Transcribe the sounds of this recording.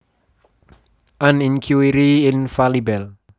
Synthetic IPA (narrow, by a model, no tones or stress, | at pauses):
ʔanĩnkʰjuiɾiɪnfalibɛl